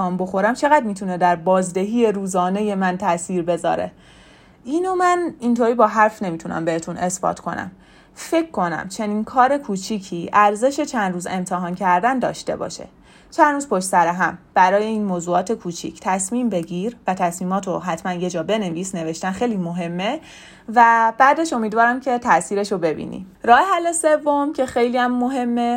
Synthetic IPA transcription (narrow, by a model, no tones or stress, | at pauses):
ɒːmbo̞xo̞ɾæmt͡ʃʰe̞ɣæd̪̚miːt̪ʰune̞d̪æɾbɒːzd̪e̞ɦiːje̞ɾuːzɒːne̞je̞mænt̪ʰæsiːɾbe̞zɒ̰ːɾe̞̰ | ʔiːnomænint̪ʰoɾiːbɒːɦæɾfne̞miːt̪ʰunæ̰mbe̞het̪ʰune̞sb̥ɒ̰ːt̪ʰkʰo̞̰næ̰m | fe̞cʰkːo̞næ̰mt͡ʃʰe̞niːnkʰɒːɾe̞kʰuːt͡ʃʰiːcʰiːʔæɾze̞ʃe̞t͡ʃʰænd̪ɾuːze̞mt̪ʰeɦɒːncʰæɾd̪ænd̪ɒ̰ːʃt̪e̞̰bɒ̰ːʃe̞̰ | t͡ʃʰænɾuːzpʰo̞ʃt̪sæɾeɦæmb̥æɾɒːje̞iːnmoːzuːɒːt̪ʰe̞kʰuːt͡ʃʰḭcʰt̪ʰæsmiːmbe̞ɟiːɾvæt̪ʰæsmiːmɒːt̪ʰoɦæt̪ʰmænje̞d͡ʒɒːbe̞ne̞visne̞ve̞ʃt̪ænxejliːmoɦe̞mːe | væb̥æd̪e̞ʃo̞miːd̪vɒːɾæmcʰe̞t̪ʰæsiːɾe̞ʃobe̞bḭːnḭ | ɾɒːheɦælːese̞vːomcʰe̞xe̞jliːæmːoɦe̞mːe